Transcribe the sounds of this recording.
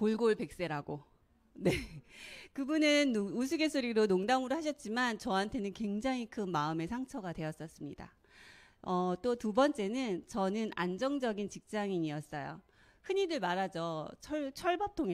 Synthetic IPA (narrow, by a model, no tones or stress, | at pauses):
koɭɡoɭpe̞k̚s͈e̞ɾaɡo | ne | kɯbunɯnus̬ʰuɡe̞sʰoɾiɾonoŋdamɯɾohaɕ̬ʰʌt̚t͡ɕ͈imant͡ɕʌantʰe̞nɯnkwe̞ŋd͡ʑaŋɦikʰɯnmaɯme̞sʰaŋt͡ɕʰʌɡadwe̞ʌs͈ʌs͈ɯmɲida̰ | ʌt͈otubʌnt͡ɕ͈e̞nɯnt͡ɕʌnɯnand͡ʑʌŋd͡ʑʌɡint͡ɕik̚t͡ɕ͈aŋiɲiʌs͈ʌjo̰ | hɯɲidɯɭmaɾad͡ʑʌt͡ɕʰʌɭt͡ɕʰʌɭbʌp̚tʰoŋe